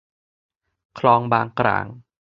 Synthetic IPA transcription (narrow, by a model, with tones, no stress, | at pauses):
kʰlɑː˧ŋɓaː˧ŋkra̰ːŋ